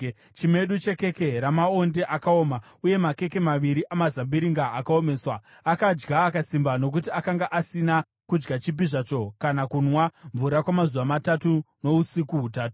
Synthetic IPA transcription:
t͡ʃime̞ɗut͡ʃe̞ke̞keɾamao̞nde̞ʔakao̞ːma | uje̞make̞ke̞maʋiɾiʔamazambiɾiŋɡaːkao̞me̞ːswa | akad͡ʒɡaːkasimbano̞k̬utiakaŋɡaʔasina | kud͡ʒɡat͡ʃibiʐat͡ʃo̞kanakunwaɱvuɾakwamazuʋamatatuno̞usikuɦutaːtu̥

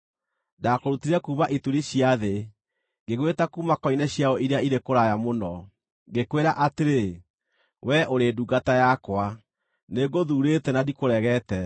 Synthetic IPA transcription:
dakoɾutiɾɛkuːβaʔituɾiɕjaðe | ŋɡeɣwetakuːmakɔinɛɕjaɔʔiɾeaiɾekoɾajamonɔ | ɡekweɾaʔateɾe | wɛʔoɾeːduɡatajakwa | neɡoðuːɾetɛnadikoɾɛɣɛtɛ

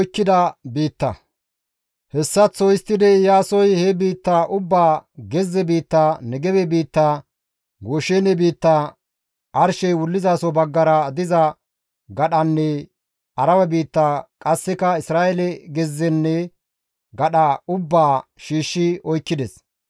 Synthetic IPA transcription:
jkːɪd̪ɐbiːt̪ːɐ̰ | hɛsːɐt͡sːɔjɪst̪ːɪd̪ɛjaːsɔjhɛbiːt̪ːaːʔʊbːaːɡɛzːɛbiːt̪ːaːnɛɡɛbɛbiːt̪ːaː | ɡoʃeːnɛbiːt̪ːaː | ʔɐɾʃɛjwʊlːɪzaːsɔbɐɡːɐɾɐd̪ɪzɐ | ɡɐɗɐnːɛ | ɐɾɐwɐbiːt̪ːaːkʼɐsːɛkɐɪsɾaːɛlɛɡɛzːɛnːɛ | ɡɐɗaʊbːaːʃiːʃːɪɔjkːɪd̪ɛs

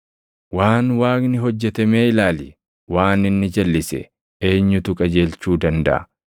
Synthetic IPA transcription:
waːnwaːknɪɦɔd͡ʒːɛt̪ɐmeːɪlaːlɪ | waːnɪnːɪd͡ʒɐlːɪsɛ̰ | e̞ːɲːʊt̪ʊkʼɐd͡ʒe̞ːlt͡ʃuːd̪ɐnd̪ɐ̰ʔɐ̰

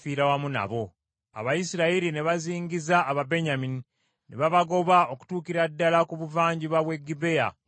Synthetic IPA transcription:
fiːɾawamuna̰βo̞ | a̰βajisiɾaiɾine̞βaziːŋɡizaːβabe̞ɲamini | neβaβaɡo̞βao̞ku̥tuːkiɾadːalakuβuvaːɲɟiβaβwe̞ɡibe̞ja̰

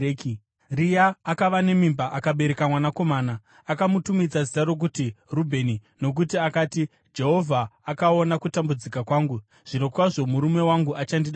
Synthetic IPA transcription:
ki | rijaːkaʋane̞mimbaʔakaɓe̞ɾe̞kamwanako̞maːnaː | kamutumid͡zazitaɾo̞k̬utirubʱe̞ːnino̞k̬utiakaːti | d͡ʒe̞ɦo̞vʱaːkao̞nakutambud͡zikakwaːŋɡu | ʐ̥ino̞kwaʐo̞muɾume̞waŋɡuʔat͡ʃandiɗa

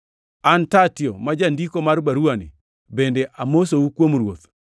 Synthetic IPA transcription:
antatjɔmad͡ʒandikomaɾbaɾuanḭ | bendeʔamosoukwomɾwot̪

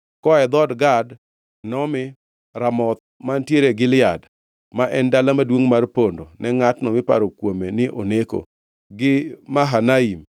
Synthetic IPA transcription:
kɔɛd̪ɔdɡad | nɔmɪ | ɾamɔt̪̚ | mantjeɾeɡɪlɪad | maʔɛndalamadwoŋmarpondonɛŋatnɔmɪpa̰ɾokwomenɪʔo̰neko̰ | ɡɪmaɦanaim

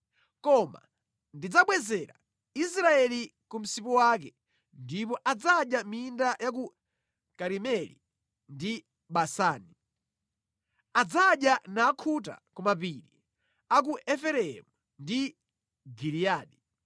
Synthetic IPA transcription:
kɔma̰ | ndid͡zaɓwɛzɛɾa̰ | is̬ɾaɛlikum̩sipɔwakɛ | ndip̬ɔʔad͡zaɗjamindajak̬u | kaɾimɛlḭ | ndi | ɓasaːni | ad͡zaɗjanaːkʰut̬a̰kumap̬iɾi | ak̬uʔɛfɛɾɛɛ̰mu | ndi | ɡiliaːɗi

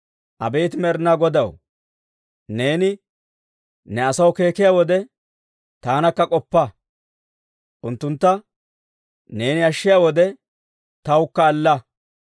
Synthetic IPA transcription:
ʔɐbeːt̪ɪmɛɾnaɡɔd̪ɐw | ne̞ːnɪ | nɛɐsɐwke̞ːkɪjaːwɔd̪ɛ | t̪aːnɐkːɐkʼɔpːɐ | ʔʊnt̪ːʊnt̪ːɐ | ne̞ːnɪɐʃːɪjaːwɔd̪ɛ | t̪ɐwkːɐːlːɐ

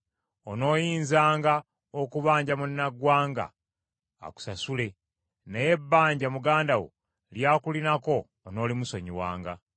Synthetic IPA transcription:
ono̞ːjiːnzaːŋɡa | okuβaːɲɟamunːaɡwaːŋɡa̰ː | ku̥sasule̞ | neje̞bːaːɲɟamuɡaːndawo̰ | ljaːkulinako̞ː | no̞ːlimuso̞ɲiwa̰ːŋɡa

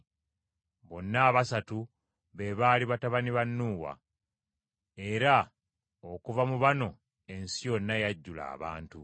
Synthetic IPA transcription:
βo̞nːaːβasatu | βe̞βaːliβataβaniβanːuːwa̰ | e̞ɾa | okuvamuβano̞ | e̞nsijo̞nːajaɟːula̰ːβa̰ːntṵ

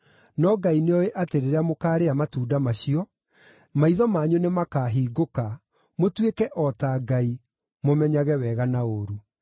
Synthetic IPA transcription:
nɔɡaineɔeʔateɾeɾeamokaːɾeamatuːdamaɕiɔ | maiðɔmaːɲonemakaːɦiːɡoka | motwekɛʔɔtaɡai | momɛɲaɣɛwɛɣanaoɾu

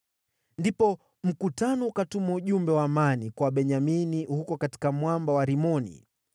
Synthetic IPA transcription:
ndipɔ | m̩kutanɔukatumauʄumbɛwaːmanikwaɓɛɲaminihukɔkati̥kamwambawaɾimɔnḭ

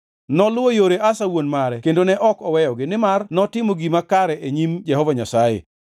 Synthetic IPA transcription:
nɔlʊojoɾeʔasawonmaɾɛkendonɛʔɔkɔwɛjɔɡɪnɪmarnɔtɪmoɡimakaɾɛeɲimd͡ʒɛɦɔvaɲasajḛ

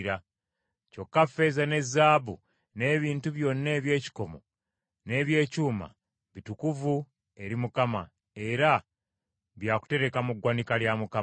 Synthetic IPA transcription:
ɾa | co̞kːafe̞zane̞zːaːβṵ | ne̞ːβiːntuβjo̞nːe̞βje̞ːci̥ko̞mo̞̰ | ne̞ːβje̞ːcuːma̰ | βitukuvu | e̞ɾimukama̰ | e̞ɾa | βjaːku̥te̞ɾe̞kamuɡwanikaljamuka

